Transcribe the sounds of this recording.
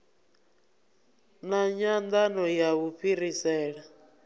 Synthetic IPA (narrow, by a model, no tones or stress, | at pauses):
naɲand̪anɔjaβuɸʰiɾisɛːɺa